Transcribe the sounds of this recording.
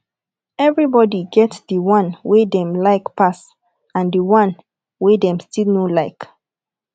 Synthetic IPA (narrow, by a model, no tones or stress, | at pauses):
ɛvɹibɔdiɡɛtsdəwãnwedɛ̃mlaɪkpas | ãndəwãn | wedɛ̃mstilnolaɪk